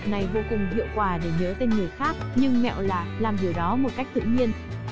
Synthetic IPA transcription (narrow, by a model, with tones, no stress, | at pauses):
na˨˩jvo˧kʊ˨˩ŋ͡mzḭ˧˨əwkwaː˨˩ɗe˧˩ɲəː˨˦t̪e˧nŋɨ˨˩əxaː˦˥k̚ɲɨ˧ŋmɛ̰˧˨wlaː˨˩laː˨˩mzi˨˩əwɗɔ˨˦mo˨˩t̚ka˦˥jk̟̚t̪ɨ̰˧˨ɲi˧ən